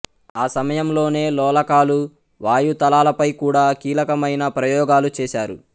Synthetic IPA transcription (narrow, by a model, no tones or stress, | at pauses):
aːsɐmɐjɐmlo̞ːne̞ːlɔːlɐkaːlu | ʋaːjut̪ɐlaːlɐpɐjkuːɽaːkiːlɐkɐmɐjnɐpɾɐjɔːɡaːlut͡ʃɛːʃaːɾṵ